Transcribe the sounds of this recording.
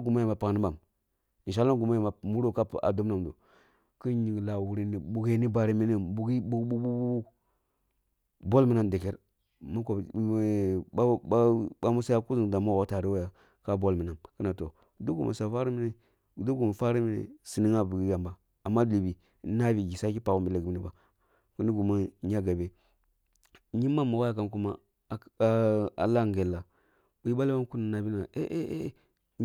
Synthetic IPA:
ɡu˨ma˦ja˨ma˨pa˨ɡni˦ba˨m | i˨ʃa˦lːa˦ɡu˨ma˦ja˨ma˨mu˦ɾo˦ka˦˨a̰˨do˦m˦na˨mdo̰˨ | ki˦nɲi˨ɡla˨wu˨ɾi˨ni˨bu˨ɡe˦ni˦ba˨ɾi˦mi˦ne˦bu˨ɡi˦bu˦ɡbu˦bu˦bu˦bu˦ | bo˦lmi˨˦na˨nde˨ke˦ɾ | ma˦ko˨˦ | ba˦mu˦sa˦ja˦ku˦zi˨ŋ˨da˨mo˦˨o˨˦ta˨ɾi˦wo˦ja˨ | ka˦bo˦lmi˨na˨nki˦na˨to˨˦ | do˦ɡu˨mʔa̰˨sa˨fa˦ɾi˦mi˦ne˨ | do˦ɡu˨ma˨fa˦ɾi˦mi˦nḛ˨si˨ni˦ŋa˦bu˨ɡi˦ɡa˨mba˨ | a˨mːa˦li˨bi˨˦ | na˦bi˨ɡi˨sa˦ki˦pa˨ɣu˦mbi˦la˨ɡni˨ba˨ | ku˦ni˦ɡu˨ma˦ɲa˦ɡa˨be˦ | ɲi˦ma˦mːa˨wa˦ja˨ka˦nk̬u˦ma̰˦˨ | a̰˨la˦˨ŋ˨ɡe˨lːa˨ | bu˨i˦a˦la˦ba˦m˦ku˦ni˨na˨bi˦na˨ʔḛ˦ʔe˦ʔ

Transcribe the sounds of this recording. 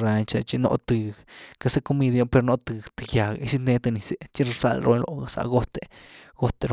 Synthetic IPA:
ɾa˧ɲt͡ʃa˧t͡ʃi˧no̰˧t̪ɨ˧˨ka˧se˦ko˧mi˧d̪a˧pe˧ɾno˦t̪ɨ˧t̪ɨ˧ja˨ɡi˧si˦ne˧˦t̪a˧ni˧se˧t͡ʃi˦ɾsa˧lɾʔo˧lo̰˨ɡa˨sa̰˧ɡo˦t̪e˧ɡ̥o˦t̪e˧ɾo˧

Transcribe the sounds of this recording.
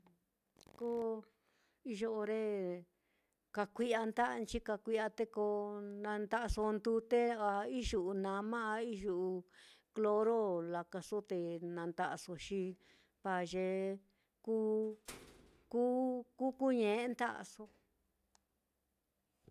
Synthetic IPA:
ko˦ | i˧ʒo˧o˧ɾe˦ | ka˧kʷi˧a˧nd̪a˦˧nt͡ʃi˦ka˧kʷi˧ʔa˧t̪e˦ko˧nã˧nd̪a˦ʔso˧nd̪u˧˦t̪e˦a˧i˦ʒu˨ʔu˧nã˧mã˦a˧i˦ʒu˧˨ʔu˧ | klo˧ɾo˦la˧ka˧so˦t̪e˧nã˧nt̪a˧ʔa˧so˧ʃĩ˧ | pa˨ʒe˧ | kuː˦ | ku˦ku˦ku˦ɲẽ˨˦nt̪a˦ʔa̰˧so˧

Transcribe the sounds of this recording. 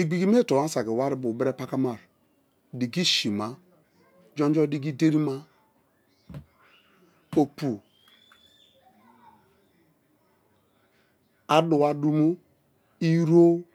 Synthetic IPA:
i˨ɡ͡bi˨ɡi˦m˦e˦˨tɔ˨ma˦sa˨ɡe˨wa˦ɾi˦bu˨bɛ˦ɾe˦pa˦ka˦ma˨ɾ | di˨ɡi˦ʃi˨ma˦ | d͡ʒɔ˦nd͡ʒɔ˦di˦ɡi˦de˦ɾi˦ma˦ | o˨pu˨ | a˦du˨wa˦du˦mo˦ | i˦ɾo˦

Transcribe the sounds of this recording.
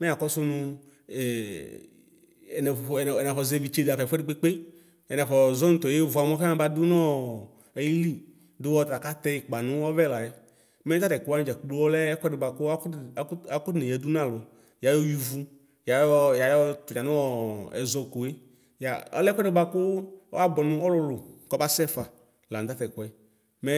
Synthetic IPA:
mɛ˦˨a˨kɔ˦sʊ˦nũ˦˨ | nɛ˨ɛ˨na˨fɔ˨ze˦vi˨t͡ʃe˦da˨fɛ˨fɛ˦de˦k͡pe˦k͡pe˦ | ɛ˨na˨fɔ˨zɔ˦ñ̩˦t̪ɔ˨je˦vu˨a˨mɔ˦fe˦ba˦d̪u˦nɔ̃˦ | e˨ji˦li˦ | do˦wɔ˦t̪a˨ka˦t̪ɛ˦ji˨k͡pa˨nũ˦wɔ˦vɛ˦˨la˨je˦ | mɛ˦ta˦tɛ˨ko˨˦a˦n˦d͡ʒa˨klu˦wɔ˦lɛ˦kʷɔ˦dɪ˧˨ɡ͡ba˧kʊ˦a˦kʊ˦ne˨ɛ˨du˦nã˦˨lɔ˨ | ja˨jɔ˦ju˦vu˦ | ja˨jɔ˦ja˨jɔ˦tu˨ɲã˨nʊ˦ɔ˦ɛ̰˨zɔ˧ko˨je˦ | ja˨ɔ̰˦lɛ˦kʷɛ˦dɪ˨˦ɡ͡ba˧kʊ˦ɔ̰˦a˦bɔ˨nʊ̃˦ɔ˦lɔ˧lʊ˨kɔ˦ba˦sɛ˦fa˨ | la˨n˨t̪a˦tɛ˨kɔ˨˦ | mɛ˦

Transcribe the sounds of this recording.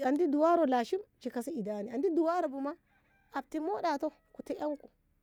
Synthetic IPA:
a˨ndi˦du˨wa˦ɾɔ˨la˨ʃi˦md͡ʒi˨ka˨si˦i˨daːni˨a˨ndi˦du˨wa˦ɾɔ˨bu˨ma˦ | a˨b̚ti˦mɔ˦ɗa˨tɔ˦ | ku˨tɛ˦ʔa˦ŋku̥˨

